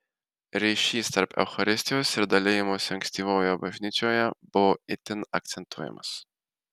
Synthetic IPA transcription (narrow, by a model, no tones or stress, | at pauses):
ɾʲɛɪʃʲiːst̪ɐɾpʰɛ̰ʊxɐɾʲɪsʲt̪ʲɪjoːsɪɾd̪ɐlʲeːjɪmoːsʲɐŋksʲt̪ʲiːʋoːjoːbɐʒʲnʲiːt͡ʃʲoːjɛb̥ʊʋoɪt̪ʲɪnɐ̰k̚t̪sʲɛnt̪uɔːjɛ̰mɐ̰s